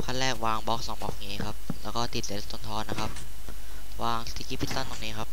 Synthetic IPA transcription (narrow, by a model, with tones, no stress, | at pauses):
kʰaː˥˩lɛː˥˩k̚waː˧ŋbɔː˦˥˩k̚sɔː˩˦ŋbɔː˨˦˩k̚ŋiː˦˥kʰa˦˥p̚lɛː˦˥wkɔː˥˩t̪ʰi˨˩t̪̚le˨˧˦t̪o˧˦nt̪ʰɔː˦˥t̪na˦˥kʰa˦˥p̚ | waː˧ŋt̪ʰiː˧˩kʰi˦˥pʰi˦˥t̪ːa˥˩nt̪ɔː˨˩ŋniː˦˥kʰa˦˥p̚